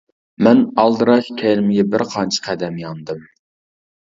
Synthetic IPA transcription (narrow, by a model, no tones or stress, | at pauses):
mɛnɑlˠd̪ɨɾɑʃkʲʰɛlɪmɪɡʲɛbɪɾqʰɑnt͡ʃʰə̥qʰæd̪ɛmjɑnd̪ɨm